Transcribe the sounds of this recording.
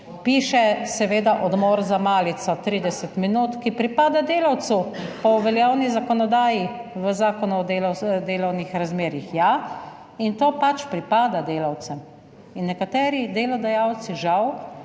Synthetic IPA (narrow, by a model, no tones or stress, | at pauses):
piːʃɛsɛʋeːd̪aʔɔd̪moːɾzamaːlit̪sat̪ɾiːd̪ɛsɛt̪minuːt̪kipɾipaːd̪ad̪eːlawt̪supɔʋɛljawnizakɔnɔd̪aːjiʋəzaːkɔnuɔd̪eld̪eːlɔwnixɾazmeːɾixja | int̪oːpat͡ʃpɾipaːd̪ad̪eːlawt̪sɛm | inːɛkat̪ɛːɾid̪eːlɔd̪ajawt̪siʒaw